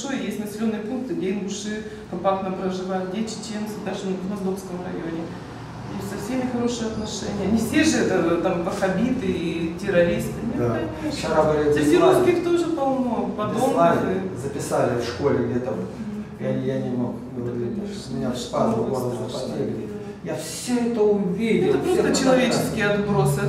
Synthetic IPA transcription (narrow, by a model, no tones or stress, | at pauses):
ʂojjesʲtʲnəsʲɪlʲo̞nːɨjəpunk̚t̪ɨdʲenʲbʊʂɨ | kɐmpak̚t̪nəpɾəʐɨvajʊt̪̚dʲet͡ɕɪ̥t͡ɕent̪sɨd̪aʐɨnʲɪvd̪mɐzd̪ofskəmrɐ̰jonʲɪ | jesʲtʲsɐfsʲemʲɪxɐɾo̞ʂɨjəɐt̪nɐʂɛnʲɪjənʲɪfsʲeʐɨɛt̪ət̪ampɐxɐbʲit̪ɨitʲɪɾɐɾʲist̪ɨnʲɪd̪aa | t͡ʃɪɾabɨlʲɪɪɾoskʲɪkt̪oʐɨpɐlˠmopɐd̪oɨzəpʲɪsalʲɪfʂko̞lʲɪɡdʲet̪am | jajanʲɪmokbɨlˠɐdʲiɐt̪omʲɪnʲapad̪əɐnozəpɐt̪ɾʲeɡlʲɪtʲ | jafsʲoɛt̪əʊvʲeɾʲɪɛt̪əpɾost̪ət͡ɕɪlˠɐvʲet͡ɕɪskʲɪjəɐt̪bɾo̞sɨ